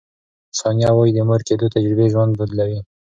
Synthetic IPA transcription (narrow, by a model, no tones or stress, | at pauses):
sɑnjɑwɑjid̪əmoɾked̪ot̪ad͡ʒɾɪbeʒwand̪̚bud̪lawi